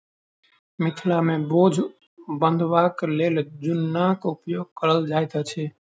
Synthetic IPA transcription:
mɪt̪ʰlamebod͡ʒʱ | bə̃nd̪ʱʋakleld͡ʒunːakupjoɡ̚kəɾəld͡ʒajt̪ət͡ʃʰɛ

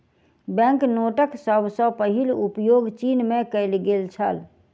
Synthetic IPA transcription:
bɛ̃ŋknoʈəksəbʱsə̃pəɦilupjoɡt͡ʃinmekəɪlɡelt͡ʃʰə̰l

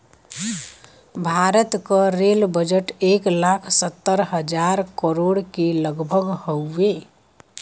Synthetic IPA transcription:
bʱaɾət̪kəɾelbəd͡ʒəʈeklakʰsət̪ːəɾɦəd͡ʒaɾkəɾoɽkeləɡbʱəɡhəwːẽ

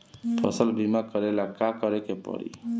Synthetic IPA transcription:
pʰʌ̰səlbʱimakʌɾelakakʌɾekepʌ̰ɾḭ

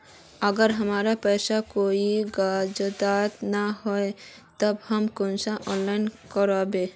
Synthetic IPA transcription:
əɡəɾɦəmaɾapəjsakoiɡad͡ʒəd̪at̪naɦoe | t̪əbhəmkonsaʔɔ̃nlaɪnkəɾɔbe

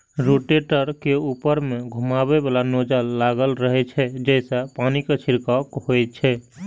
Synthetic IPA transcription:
ɾoʈeʈəɾkeupəɾmẽɡʱumabebalanod͡ʒalːaɡəlɾəɦɛt͡ʃʰɛd͡ʒɛːsapanikət͡ʃʰiɾkakhoɛt͡ʃʰɛ

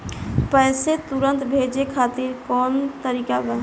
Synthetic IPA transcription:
pəɪset̪uɾənt̪bʱed͡ʒekʰat̪iɾkɔnt̪əɾikabəɦ

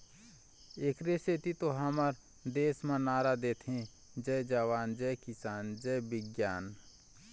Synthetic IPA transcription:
eːkɾeset̪it̪oɦəməɾ | d̪eːsmə̃naːɾad̪eːt̪ʰɦẽ | d͡ʒəd͡ʒəwaːnd͡ʒɛjkɪsaːnd͡ʒəbɪɡjaːn

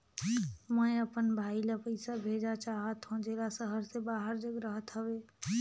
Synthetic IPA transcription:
məeəpənbʱailəpəɪsabʱed͡ʒat͡ʃaɦət̪ɦũd͡ʒelasəɦəɾsebaɦəɾd͡ʒəɡɾəɦət̪ɦəbe

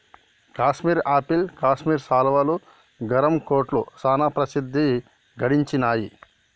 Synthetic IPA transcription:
kaːʃmiːɾaːpilkaːʃmiːɾsaːlɐʋaːlu | ɡɐɾɐmkoːʈlṵsaːnaːpɾɐsid̪ʱːi | ɡɐɽiɲt͡ʃinaːji

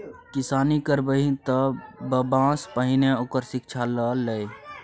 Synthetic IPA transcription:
kɪsaːnikəɾbəɦĩt̪əbəbãːspəɦɪneoːkəɾsɪk̚t͡ʃʰaləlːəe

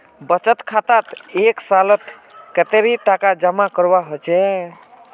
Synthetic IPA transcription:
bət͡ʃət̪kʰat̪at̪eksalət̪ | kət̪eɾiʈakad͡ʒəmakəɾbaɦot͡ʃɛ

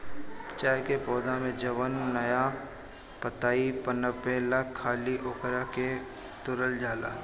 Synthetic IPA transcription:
t͡ʃaːjkepɔːd̪ãmẽd͡ʒɐʋənːɐja | pət̪aːipənəbelakʰːaːliʔoːkɾake | t̪ʊɾəld͡ʒaːlaː

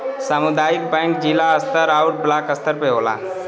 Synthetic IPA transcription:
səmʊd̪aːjɪk̚bɛ̃ːŋk̚d͡ʒilaɐst̪əɾaːʊʈ̚blaːkəst̪əɾpeɦoːla̰ː

